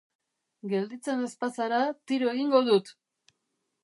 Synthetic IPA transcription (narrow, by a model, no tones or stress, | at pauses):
ɡe̞ld̪it͡se̞ne̞spasaɾat̪iɾoe̞ɣiŋɡo̞ðut̪